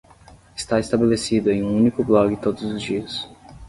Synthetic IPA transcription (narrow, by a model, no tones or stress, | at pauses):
ɪ̥st̪aest̪abelesid̪ʊẽj̃ũũnikʊblɔɡɪt̪od̪ʊzʊzd͡ʒiɐs